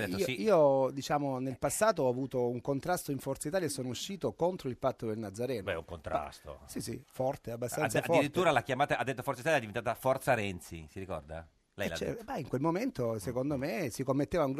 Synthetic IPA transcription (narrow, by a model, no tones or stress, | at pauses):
d̪et̪ːisiːod̪it͡ʃaːmonelpasːaːt̪̬oɔavuːt̪ouŋkont̪ɾast̪oiɱfɔrt̪sait̪aːljaesːoːnouʃːiːt̪okont̪ɾoilpat̪ːod̪elnad̪zaɾɛːnɛṵŋkont̪ɾa̰st̪o̰sisḭfɔrt̪eabːast̪anːasadfiɾit̪ːuːɾalakjamaːt̪aad̪et̪ːo̥fɔɾt̪sit̪aljɛd̪ivent̪aːt̪afɔrt̪saɾɛnt̪sḭsiɾikɔ̰rd̪a̰ | lɛ̰jt͡ʃbɛiŋkwelmoment̪osekond̪omesikomːet̪ːeːvauŋɡ